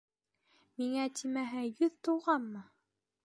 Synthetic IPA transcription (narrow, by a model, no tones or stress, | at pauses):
miŋæt̪ʰimæɦæjɵðt̪uwʁɑnːɤ